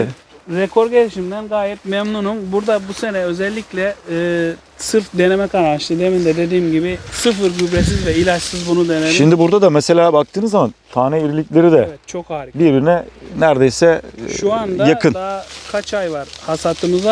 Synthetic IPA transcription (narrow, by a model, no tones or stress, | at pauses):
ɾɛkʰo̞ɾɟeɾiʃimd̪ænɡaːjɛp̚mɛmnunumbuɾd̪abuse̞nɛø̞zɛlʲːiclʲɛː | sɯɾfd̪e̞nemɛkʰanaʃlˠɯd̪emind̪ɛd̪e̞d̪iːmɟibisɯfɯɾɟybɾesizvɛilʲat͡ʃsɯzbunud̪eneliʃimnd̪ibuɾd̪ad̪amese̞lʲaːbakt̪ʰɯːnɯzamant̪ʰaːnɛiɾilʲiclʲe̞ɾid̪ɛɛt͡ʃʰokabiɾinɛnæɾd̪ejsɛʃuand̪ajakʰɯnd̪akʰat͡ʃʰajvaɾ̥hasat̪ʰɯmɯza